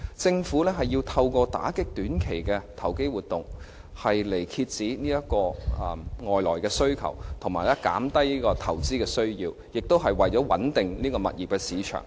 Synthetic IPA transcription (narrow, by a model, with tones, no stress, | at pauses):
t͡sɪ˧ŋfuː˨˥lɛː˥ɦɐ˨jːiː˧wt̪ʰɐ˧wkʷɔː˧t̪a̰ː˨˥kɪ˥k̚t̪yː˨˥nkʰe˨˩jkɛ˧t̪ʰɐ˨˩wke˥jwuː˨˩t̪ʊ˨ŋ | hɐ˨jle˨˩jkʰi˧t̚t͡siː˨˥niː˥jɐ˥kɔː˧˨ | ŋɔː˨jlɔː˨˩jkɛː˧sɵ˥ɥkʰɐ̰˨˩wt̪ʰʊ˨˩ŋmaː˨jlɛ˥ka̰ː˨˥mt̪ɐ˥jniː˥kɔː˧t̪ʰɐ˨˩wt͡siː˥kɛː˧sɵ˥ɥjiː˧w | jɪ˨k̚t̪o˥wɦɐ˨jwɐ˨jt͡ʃɔː˨˥wɐ̰˨˥nt̪ɪ˨ŋniː˥kɔː˧mɐ̰˨t̚jiː˨˩p̚kɛː˧siː˨˥t͡ʃʰœ̰˨˩ŋ